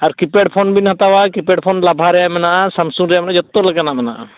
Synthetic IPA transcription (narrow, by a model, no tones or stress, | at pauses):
aɾkipɛɖ̚pʰɔnbinhat̪awakipɛɖpʰɔnlabʱaɾɛjaʔmɛnaʔasamsuŋɾɛjamnaʔad͡ʒɔt̪ːɔlaɡanamɛnaʔa̰